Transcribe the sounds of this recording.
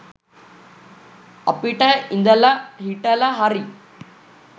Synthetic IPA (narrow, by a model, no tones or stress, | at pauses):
ɐ̰piʈɐind̪ɐlɐɦiʈɐlɐɦɐɾi